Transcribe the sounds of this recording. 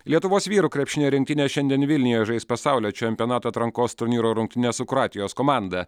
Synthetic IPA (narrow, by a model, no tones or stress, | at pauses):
lʲiɛt̪ʊʋoːsʋʲiːɾuːkɾʲɛpʲʃʲɪnʲeɾʲɪŋʲkt̪ʲɪnʲeːʃʲɛnʲd̪ʲiɛnʋʲɪlʲnʲɪjoːjʒɐɪspɐsɑˑʊlʲoːt͡ʃʲɛmʲpʲioɔnɑːt̪oːɐt̪ɾɐŋkoːst̪ʊɾʲnʲiːɾoːɾʊŋk̚ʲt̪ʲɪnʲeːsʊkɾɑːt̪ʲɪjoːskoːmɑˑnd̪ɐ